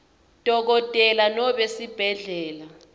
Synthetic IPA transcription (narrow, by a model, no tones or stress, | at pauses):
d̥ʱɔk̬ɔtʼɛlanɔɓesib̥ʱɛɮɛːla